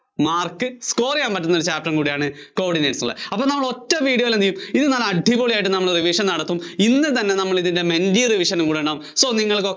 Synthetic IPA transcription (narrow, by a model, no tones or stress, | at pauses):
maːrkɨsko̞ːrijaːnpɐtːunːult͡ɕaːp̚ʈrɐnkuːɽijaːɳɨko̞ːɖineːʈsuɭːɐ̰ɐpːonɐmːɐɭo̞tːɐmʋiːɽijo̞ːilɐnd̪ijːumiðɨnaːlɐɖʱiboːɭijaːjiʈ̬ːɨnɐmːɐɭriʋiʂɐnnɐɽɐt̪ːuminːɨt̪ɐnːe̞nɐmːɐɭiðinde̞mendiriʋiʂɐnumkuːɽiuɳɖaːmso̞ːniŋːɐɭko